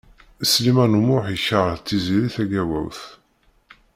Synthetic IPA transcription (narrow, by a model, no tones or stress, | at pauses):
slimænumʊħiçəʁt͡s̪ːiziɾiθæɡæwæ̰wθ